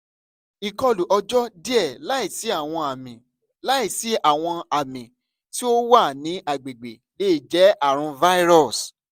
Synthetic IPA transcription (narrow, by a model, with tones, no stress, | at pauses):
i˨kɔ˧lu˨ʔɔ˧d͡ʒɔ˦di˦ɛ˦˨la˨˦i˦˨si˨˦a˦˨w̃ɔ̃˧a˨mĩ˨ | la˦i˦˨si˨˦ʔa˦˨w̃ɔ̃˧a˨mĩ˨ | ti˦o˦wa˦˨nĩ˨˦ʔa˨ɡ͡be˨ɡ͡be˨ | le˦˨d͡ʒɛ˨˦a˦˨ɾ̃ũ˧va˦i˦ɾɔ˦˨s